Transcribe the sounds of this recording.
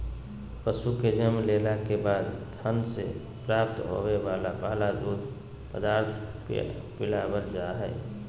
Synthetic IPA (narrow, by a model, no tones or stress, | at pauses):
pəsuked͡ʒəmleːlakebaːd̪t̪ʰənse | pɾaːp̚t̪ɦo̰eʋaːlapaːlad̪uːd̪ | pəd̪aːɾt̪ʰ | pɪlabəld͡ʒaɦɛ̰ː